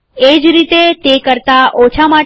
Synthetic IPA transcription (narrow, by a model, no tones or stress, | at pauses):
ed͡ʒɾit̪et̪ekəɾt̪aʔot͡ʃʰama